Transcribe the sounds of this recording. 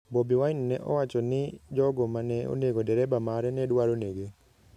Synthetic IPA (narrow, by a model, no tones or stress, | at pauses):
bɔbiwainnɛʔɔ̰wat͡ʃɔnɪd͡ʒɔɡɔmanɛo̰neɡodɛɾɛbamaɾɛnɛdwaɾoneɡe